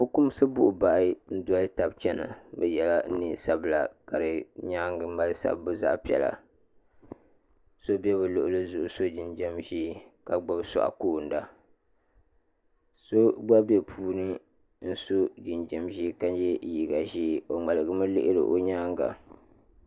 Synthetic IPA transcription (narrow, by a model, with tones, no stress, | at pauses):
fo˦kʊ˦m˦sɨ˦bʊ˦ʔʊ˨ba˨ʔɪ˦n̩˦dɔ˦lta˨b̚t͡ʃɛ˦na̰˨bɛ˦jɛ˨la˦ni˨sa˦bla˨ka˨ɾɨ˨ɲaː˦ŋɡma˦lsa̰˦˨bːɨ˦za̰˦ʔpi˦ɛ̰˨la̰˨ | so˦bɛ˦βɨ˨lʊ˨ʔʊ˦lɨ˦zʊ˨ʔʊ˦so˦d͡ʒi˨nd͡ʒɛ˦mʒi˦ka˨ɡ͡ba˦bsɔ̰˨ʔa̰˨koː˦˨n̩˦da˨ | so˦ɡ͡ba˦bɛ˦pʰuː˦nɨ˦ | n̩˦so˦d͡ʒi˨nd͡ʒɛ˨mʒi˦ka˦njɛ˦˨ji˦ɡa˨ʒi˦˨o˨ŋ͡ma˨lɨ˨ɡɨ˦mɨ˦lɪ̰˦ʔɪ˦ɾɨ̰˨ʔo˦ɲaː˦ŋɡa̰˨